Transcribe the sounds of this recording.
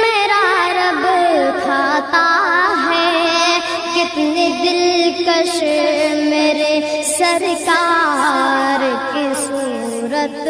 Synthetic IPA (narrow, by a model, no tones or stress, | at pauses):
meːɾaɾɐbt̪ʰaːt̪aɦɛ | kɪt̪ned̪ɪlkəʃ | meːɾesɐɾkaː | ɾkesuː | ɾət̪